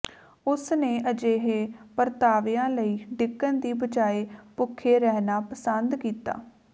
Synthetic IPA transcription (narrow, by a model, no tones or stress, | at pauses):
ʊsneːʔəd͡ʒeːɦeːpəɾt̪aːʋejãːləiːɖɪkːənd̪iːbəd͡ʒaːeːpʊkʰːeːɾɛːɦnaːpəsənd̪kiːt̪a̰ː